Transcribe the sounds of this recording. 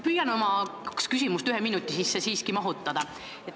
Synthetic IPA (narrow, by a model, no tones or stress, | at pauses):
pyjɑno̞mɑ̥kskys̬ʲimust̪yɦeminut̪ːˑisisːesiːskimɑɦut̪ːˑɑd̪̥ɑ